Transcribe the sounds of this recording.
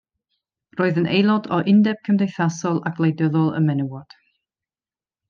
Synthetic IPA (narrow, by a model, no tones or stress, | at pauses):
roːɨðənejlˠɔdɔʔɪndɛb̥̚kʰəmdejθasɔlˠaɡlˠejdəðɔlˠə̰mɛnuwɔd̥